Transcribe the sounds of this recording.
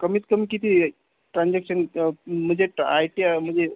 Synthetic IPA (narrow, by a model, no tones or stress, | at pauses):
kəmit͡skəmikit̪ʰi | ʈɾãnd͡zeksənməd͡ʒeʈajʈijaməd͡ze